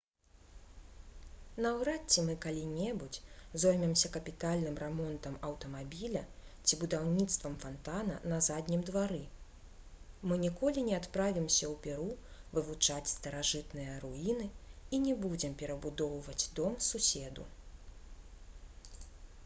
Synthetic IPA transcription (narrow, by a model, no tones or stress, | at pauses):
nɐwɾat͡sʲːɛmɨkalʲinʲɛbut͡sʲzɔjmʲɛmsʲɐkɐpʲit̪alʲnɨmrɛmɔnt̪ɐmɐwt̪ɐmabʲilʲɐt͡sʲibud̪awnʲit̪st̪vɐmfant̪anɐ̰nɐzad̪ʲnʲimd̪vaɾɨ | mɨnʲikɔlʲinʲɛat̪pɾavʲimsʲɐwpʲɛɾuvɨvut͡ʂat͡sʲst̪ɐɾaʐɨt̪nɨjɐɾuinɨinʲɛbud͡zʲɛmpʲɛɾɐbud̪ɔwvɐd͡zʲd̪ɔmsusʲɛd̪ṵ